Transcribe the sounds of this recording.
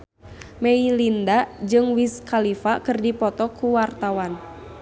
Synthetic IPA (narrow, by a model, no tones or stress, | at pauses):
mɛilindad͡ʒɨŋwiskalifakɨrdipɔt̪ɔkuwart̪awan